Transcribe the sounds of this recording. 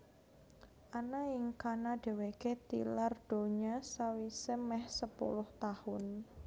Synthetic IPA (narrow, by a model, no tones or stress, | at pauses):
ʔanaɪŋkanaɖ̥e̤weket̪ḭlard̥o̤ɲasawisemɛhsəpṵlʊht̪ahʊn